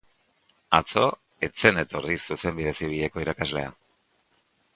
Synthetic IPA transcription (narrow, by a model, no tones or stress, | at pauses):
at͡so̞ | e̞t͡se̞ne̞t̪o̞risuse̞mbiðe̞siβ̞iʎe̞ko̞iɾakazle̞̰a̰